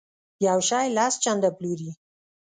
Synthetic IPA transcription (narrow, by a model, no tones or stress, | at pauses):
jawʃɑjlɑst͡ʃand̪apluɾi